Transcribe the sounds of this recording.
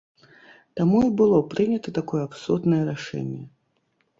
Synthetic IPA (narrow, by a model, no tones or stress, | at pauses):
t̪amuibɨlˠɔpɾɨnʲɐt̪ɐt̪akɔjɛapsud̪nɐjɛɾaʂɛ̰nʲjɛ